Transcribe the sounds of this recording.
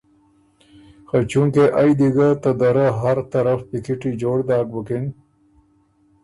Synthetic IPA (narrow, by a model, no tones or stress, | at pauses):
xat͡ʃuŋkeʔajd̪iɡat̪ɐd̪ɐɾaɦɐɾt̪ɐɾɐfpikiʈid͡ʑoːɽd̪aːk̚bɐkin